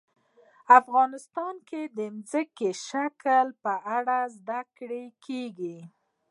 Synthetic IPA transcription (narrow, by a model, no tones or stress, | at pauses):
afɣɑnɪst̪ɑnked̪əmzəkeʃakəlpəʔaɽazd̪akɽekʰeɡi